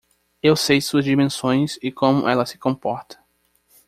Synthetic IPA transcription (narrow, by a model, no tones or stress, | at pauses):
ewsejsuɐzd͡ʒimẽsõj̃sɪkõmʊʔɛlɐsɪ̥kõmpɔɾt̪ɐ̥